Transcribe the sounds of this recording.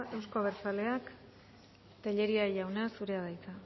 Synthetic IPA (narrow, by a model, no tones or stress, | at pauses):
e̞wskoβ̞eɾt͡sale̞ak | t̪eʎe̞ɾiaʝawnasuɾe̞aðajt͡sa